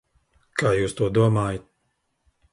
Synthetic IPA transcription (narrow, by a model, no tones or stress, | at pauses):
kaːjuːst̪uɔd̪uɔmaːjat̪̚